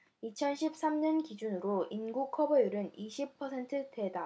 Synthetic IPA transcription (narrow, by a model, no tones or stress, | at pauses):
it͡ɕʰʌnɕʰip̚s͈amɲʌnkid͡ʑunɯɾoinɡukʰʌbʌjuɾɯniɕʰipʰʌsʰe̞ntʰɯte̞da